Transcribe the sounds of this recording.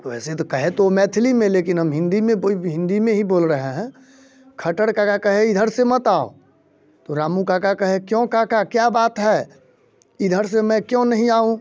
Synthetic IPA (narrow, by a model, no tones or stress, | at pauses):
ʋɛːset̪okɐɦet̪oomɛːt̪ʰɪlimẽleːkɪnɦəmɦɪ̃nd̪imẽɦɪ̃nd̪imẽɦiboːlɾəɦeɦɛ̃ː | kʰəʈəɽkakakəɦeɪd̪ʱəɾsemət̪aːo̰ | t̪oɾaːmũkakakəɦekjõkakakjabaːt̪ɦɛː | ɪd̪ʱəɾsemɛ̃kjõnɐɦĩaːɦũ